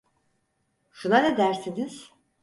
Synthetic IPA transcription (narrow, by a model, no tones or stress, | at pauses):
ʃunanɛd̪æɾsiniz̥